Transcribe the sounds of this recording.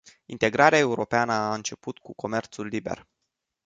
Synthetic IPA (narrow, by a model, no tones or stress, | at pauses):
int̪e̞ɡɾaɾeae̞uɾo̞peanəaɨnt͡ʃe̞put̪kuko̞me̞rt̪sulːibe̞̰r